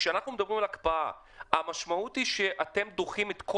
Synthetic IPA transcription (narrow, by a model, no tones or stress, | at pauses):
ʃeanaχnume̞d̪abʁimalakpaa̰ | amaʃmaut̪iʃe̞ʔate̞md̪oχimet̪kʰo